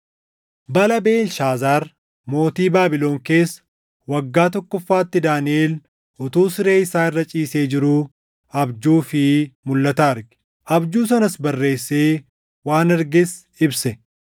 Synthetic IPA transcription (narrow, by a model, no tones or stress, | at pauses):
bɐlɐbe̞ːlʃaːzaːɾ | mo̞ːt̪iːbaːbɪlo̞ːŋke̞ːsː | wɐɡːaːt̪ɔkːɔfːaːt̪ːɪd̪aːnɪʔeːl | ʊt̪uːsɪɾe̞ːɪsaːɪrːɐt͡ʃʼiːse̞ːd͡ʒɪɾuː | ɐbd͡ʒuːfɪmʊlːɐt̪aːɾɡɪ̥ | ʔɐbd͡ʒuːs̬ɐnɐsbɐrːe̞ːsːeː | waːnɛɾɡɪs | ɪbsɛ